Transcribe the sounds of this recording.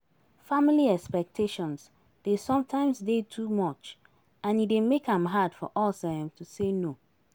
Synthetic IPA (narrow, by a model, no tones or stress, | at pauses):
familiɛkspɛk̚tʰeʃɔ̃ns | d̥esɔ̃mtʰãɪ̃msdetʰumɔt͡ʃ | ãnidemekãmɦad̥fɔʔɔsaɛ̃mtʰuseno